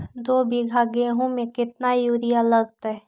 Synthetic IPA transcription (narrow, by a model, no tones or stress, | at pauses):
d̪oːbʱiɡʱaːɡeɦũmẽkɪt̪̚najuːɾijaləɡt̪aɛ